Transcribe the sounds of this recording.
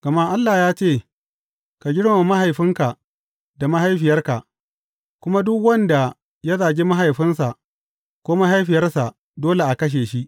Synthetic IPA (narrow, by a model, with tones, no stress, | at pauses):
ɡ̥ɐ˨ma˦ʔa˦lːaː˨jaː˦t͡ʃeː˦˨ | ka˨ɡʲɪ˦ɽe˨ma˨ma˦ɦa˨jɸɪ˦ŋka˨ | da˨ma˦ɦa˦jɸɪ˨jɐ˦rka˨ʔ | kʷʊ˦ma˦dʊ˦kwɐ˦nda˨ | jɐ˦zaː˨ɡʲi˦ma˦ɦa˨jɸɪ˦nsa˨ʔ | kʷoː˦ma˦ɦa˦jɸɪ˨jɐ˦rsa˨ | doː˦le˨ʔa˨kɐ˦ʃ̬eː˨ʃi˦ʔ